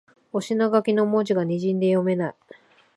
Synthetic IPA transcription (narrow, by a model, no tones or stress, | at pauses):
o̞ɕinoɡakʲino̞mod͡ʑiɡaɲ̟iʑĩnd̪e̞jo̞me̞nai